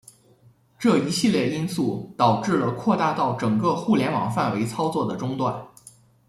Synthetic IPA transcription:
ʈ͡ʂɤ˥˩i˧˥ɕi˥˧ljɛ˥˩i˥nsu˥˩t̪ɑ˨˩ʊʈ͡ʂɻ̩˥˩lə˩kʰwɔ˥˧t̪a˥˧t̪ɑ˥˩ʊʈ͡ʂɤ˨˩ŋkɤ˥˧xu˥˩ljɛ˧˥nwɑ̰˨˩ŋfa˥˩nwe˧˥ɪt͡sʰɑ˥ʊt͡swɔ˥˩d̪ə˩ʈ͡ʂʊ˥ŋt̪wa˥˩n

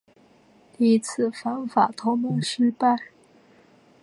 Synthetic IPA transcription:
li˥˩t͡sʰɹ̩˥˩fa˧˥nfa˨˩t̪ʰo˧˥ʊmo˥˩ŋʂɻ̩˥pa˥˩ɪ

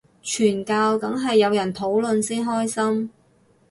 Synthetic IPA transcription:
t͡ʃʰyː˨˩nkaː˧wt̪ɐ˨˥ŋɦɐ˨jːɐ˨˧wjɐ˨˩nt̪ʰo˨˥wlɵ˨nsiː˥nɦɔː˥jsɐ˥m

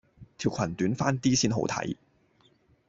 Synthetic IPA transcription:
t̪ʰiː˨˩wkʰɐ˨˩nt̪yː˨˥nfaː˥nt̪iː˥siː˥nɦo̰˨˧˥wt̪ʰɐ̰˨˥j

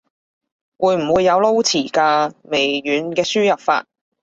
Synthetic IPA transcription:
wuː˨˧jm̩˨˩wuː˨˧jːɐ˨˧wlo˥wt͡sʰiː˨˩kaː˧me˨˩jjyː˨˥nkɛː˧syː˥jɐ˨˩p̚fa̰ː˧t̚

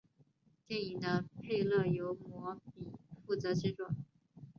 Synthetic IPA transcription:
t̪jɛ˥˩ni˨˩ŋd̪ə˦pʰe˥˧ɪlɤ˥˩jo˧˥ʊmwɔ˧˥pi˨˩fu˥˩t͡sɤ˧˥t͡ɕɻ̩˥ʈ͡ʂwa˨˩˦

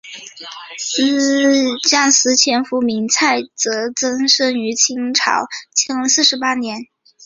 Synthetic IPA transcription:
s̩˧˥t͡ɕjɑ˥˩ŋsɹ̩˧˥t͡ɕʰjɛ˧˥nfu˧˥mi˧˥ŋt͡sʰa˥˩ɪt͡sɤ˧˥t͡sɤ˥ŋʂɤ˥ŋy˧˥t͡ɕʰi˥ŋʈ͡ʂʰɑ̰˨˩˦ʊt͡ɕʰjɤ˧˥ŋsɹ̩˥˩ʂɻ̩˧˥pa˥njɛ˧˥n

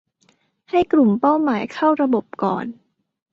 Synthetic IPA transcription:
ha˥˩jkɾu˨˩mpa˥˩wmaː˩˦jkʰa˥˩wɾa˧bo˨˩p̚kɔ̰ː˨˩n

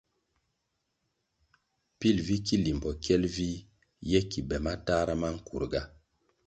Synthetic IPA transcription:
pi˦˨lvi˦ki˦li˨mbɔ˨kɛ˦lvi˦ | jɛ˦ki˨bɛ˨ma˦ta˦ɾa˦ma˦ŋ̩˦˨kṵ˨ɾɡa˦

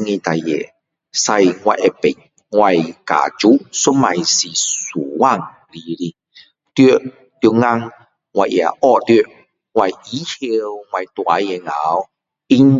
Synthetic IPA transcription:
ŋĩ˧t̪a˨jḛ˨ | sa˧jŋwa˧je˧pe˨˩n | ŋwa˧˨jka̰˨t͡ɕu˦˥su˦˥ma˧˨jsi˨˩su˨˩wa˧ŋ | li˧li˧ | t̪jo˧ | t̪ju˧ŋa˧ŋ | ŋwa˧jʔja̰˨ʔɔ˧t̪jo˧ | ŋwa˧ji˨˦he˧wŋwa˧jt̪wa˨˧˦je˨ŋa˨˦w | i˦n

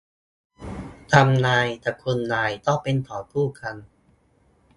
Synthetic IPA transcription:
t̪ʰa˧mnaː˧jt̪ɛː˨˩kʰu˧nːaː˧jt̪ɔ˥˩ŋpe˧nt̪ʰɔː˩˦t̪ʰuː˥˩kʰa˧n

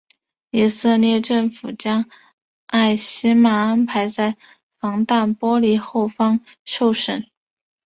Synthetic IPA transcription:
i˨˩sɤ˥˧ljɛ˥˧ʈ͡ʂɤ˥˩ŋfu˨˩t͡ɕjɑ˥ŋ | a˥˩ɪɕi˥ma˨˩a˥npʰa˧˥ɪt͡sa˥˩ɪ | fɑ˧˥ŋt̪a˥˩npwɔ˥li˧˥xo˥˩ʊfɑ˥ŋʂo˥˩ʊʂə̰˨˩˦n

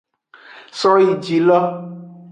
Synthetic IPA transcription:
sɔ˦ji˨d͡ʒi˨lɔ˦

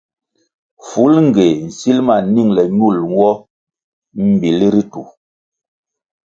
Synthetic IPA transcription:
fu˨˦lŋ̩˨ɡe˨n̩˨si˦lma˨ni˦˨ŋlɛ˨ɲu˦˨lwɔ˦ | m̩˨bi˨li˦ɾi˦tu˨

